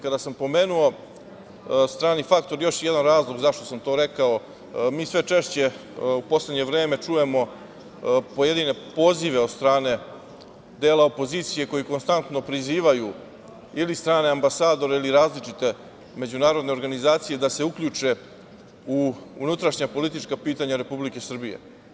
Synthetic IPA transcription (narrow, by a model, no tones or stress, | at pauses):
kad̪asampo̞me̞ːnuo̞ | st̪ɾaːnifakt̪o̞ɾjo̞ʃjed̪anɾaːzlˠo̞ɡzaʃt̪o̞samt̪o̞ːɾe̞kao | miːsʋe̞t͡ʃe̞ʃt͡ɕe̞upo̞sle̞d̪ɲe̞ʋɾe̞ːme̞t͡ʂuje̞mo̞ | pojed̪ine̞po̞ːziʋe̞od̪st̪ɾaːne̞ | d̪eːlao̞po̞ziːt̪sije̞ko̞jiko̞nst̪ant̪nopɾiziːʋaju | ilist̪ɾaːne̞ambasaːd̪o̞ɾeiliɾaːzlit͡ʂit̪e̞ | me̞d͡ʑunaːɾo̞d̪ne̞o̞ɾɡanizaːt̪sije̞d̪ase̞ukʎut͡ʂe̞ | uṵnut̪ɾaʃɲapo̞lit̪it͡ʃkapiːt̪aɲaɾe̞publike̞sr̩bijḛ